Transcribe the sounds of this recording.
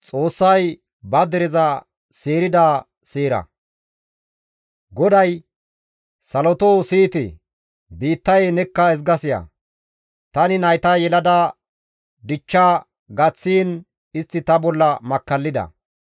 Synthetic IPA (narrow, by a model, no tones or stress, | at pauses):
t͡sʼo̞ːsːɐj | bɐd̪ɛɾɛzɐ | seːɾɪd̪aː | seːɾɐ̰ | ɡɔd̪ɐj | sɐlɔt̪oːsiːt̪ɪ̰ | biːt̪ːɐjenɛkːɐɛs̬ɡɐsɪjɐ̰ | t̪ɐnɪnɐjt̪ɐjɛlɐd̪ɐ | d̪ɪt͡ʃːaː | ɡɐt͡sːiːn | ɪst̪ːɪt̪ɐbɔlːɐmɐkːɐlːɪd̪ɐ̰